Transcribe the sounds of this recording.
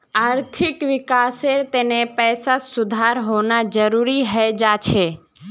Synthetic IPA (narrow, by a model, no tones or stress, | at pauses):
aːɾt̪ʰɪkʋɪkaːseɾt̪eːnepɛːsasʊd̪ʱaːɾɦoːnad͡ʒəɾuɾiɦəed͡ʒat͡ʃʰeː